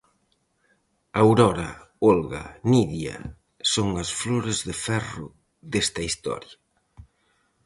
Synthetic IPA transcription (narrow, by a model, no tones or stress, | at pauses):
awɾɔɾɐ̰ | olɣɐ̰niðjɐ̰ | soŋɐsfloɾezðɪfɛrʊ | ðest̪ɐist̪ɔ̰ɾjɐ